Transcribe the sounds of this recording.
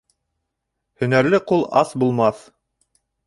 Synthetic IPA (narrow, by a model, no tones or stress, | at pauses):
hɵ̆næɾlɘqulˠɑ̰sbulˠmɑθ